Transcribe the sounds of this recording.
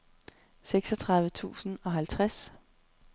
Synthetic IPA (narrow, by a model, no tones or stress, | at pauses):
seɡ̥sɒ̽t͡sʰʁɑ̈ðˠʋət͡sʰṵːsn̩ɒ̽ɦælt͡sʰʁas